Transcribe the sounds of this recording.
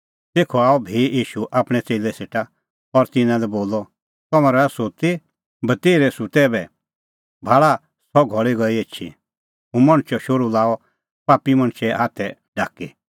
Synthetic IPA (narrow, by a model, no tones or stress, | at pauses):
t̪eːkʰɔaːɔbʱeːiːʃuʔaːpɽ̃ɛt͡seːlɛseːʈa | ɔɾt̪ɪnãlɛboːlɔ | t̪ɔmãɾɛsot̪e | bɐt̪eːɾɛsut̪ɛbɛ | bʱaːɭa | sɔɡʱɔɭiɡɔiet͡ʃʰḭ | ɦũmɐ̃ɽ̃t͡ʃɔʃoɾulaːɔ | paːpimɐ̃ɽ̃t͡ʃʰɛɦaːt̪ʰɛɖaːki